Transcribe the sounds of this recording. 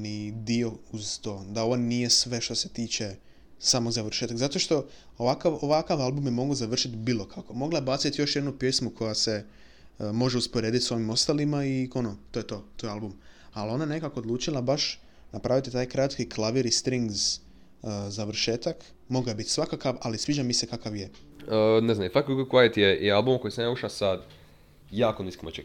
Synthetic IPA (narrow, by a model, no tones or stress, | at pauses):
nid̪io̞uz̥t̪o̞ːd̪ao̞ʋonnije̞sʋe̞ʃt̪o̞se̞̥t̪iːt͡ʃe̞ | samozaʋr̩ʃet̪aɡzat̪o̞ʃt̪o̞ | oʋakaʋoʋakaʋalˠbumjemo̞ɡozaʋr̩ʃit̪biːlˠo̞kʰako̞mo̞ɡlaebat̪sit̪jo̞ʃjed̪nupje̞smukʰo̞jase̞ | mo̞ʒeuspoɾeːd̪it̪so̞ʋimo̞st̪alimaio̞not̪oːjet̪o̞ːt̪ojealbumalo̞najenekako̞od̪lˠuːt͡ʃilˠabaʃ | napɾaʋit̪it̪aːjkɾat̪kiklˠaʋiɾist̪ɾiŋɡz | zaʋr̩ʃeːt̪ak | mo̞ɡaebit̪sʋakakaʋalisʋiːd͡ʒamisekakaʋje | əneznamifakkkait̪jealbumkojsenauʃasad̪ | jaːkoniskimot͡ʃe